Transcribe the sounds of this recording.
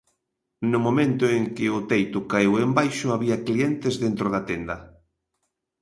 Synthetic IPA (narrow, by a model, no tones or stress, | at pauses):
nʊmõmẽnt̪ʊeŋkɪʊt̪ejt̪ʊkaewembajʃʊaβiɐkliɛnt̪ezðent̪ɾʊðɐt̪ɛnd̪ɐ